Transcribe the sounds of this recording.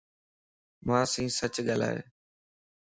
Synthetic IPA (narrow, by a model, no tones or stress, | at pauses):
mãːsĩːsət͡ʃɠaːla̰ːɦḛː